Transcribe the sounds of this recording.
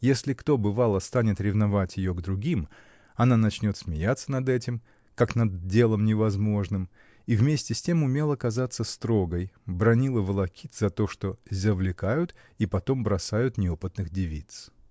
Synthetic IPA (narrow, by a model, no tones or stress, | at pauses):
jesʲlʲɪkt̪o̞bɨvalˠəst̪anʲɪt̪ɾʲɪvnɐvatʲjɪjoɡd̪ɾʊɡʲim | ɐnanɐt͡ɕnʲo̞t̪smʲɪjat̪sːənɐd̪ɛtʲɪm | kaknɐd̪dʲe̞lˠəmnʲɪvɐzmo̞ʐnɨm | ivmʲesʲtʲɪsʲtʲe̞mʊmʲe̞lˠɐkɐzat̪sːəst̪ɾo̞ɡəjbɾɐnʲilˠəvəlˠɐkʲit̪z̥ɐt̪o̞ʂt̪o̞zʲəvlʲɪkajʊt̪ | ipɐt̪o̞mbɾɐsajʊt̪nʲɪo̞pɨt̪nɨxdʲɪvʲit̪s